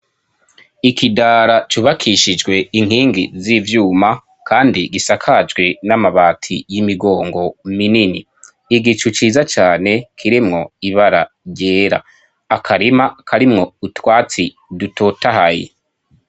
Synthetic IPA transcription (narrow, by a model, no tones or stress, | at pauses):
ikidaːɾat͡ʃuβakʰiʃid͡ʒɡwe̞iŋ̥ɦiːŋɡizivjuːma | kʰaːndiɡisakʰad͡ʒɡwe̞namaβaːtʰijimiɡo̞ːŋɡo̞mininiː | ɡit͡ʃut͡ʃiːzat͡ʃaːne̞kʰiɾimŋo̞iβaɾa | ɾɟeːɾa̰ | akʰaɾimakʰaɾimŋo̞utwaːt͡si | duto̞taɦajḛ